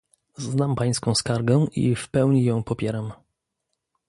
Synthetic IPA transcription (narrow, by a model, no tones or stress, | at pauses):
znampaj̃skɔ̃w̃skaɾɡɛʔḭfpɛwɲijɔ̃w̃pɔpʲjɛɾam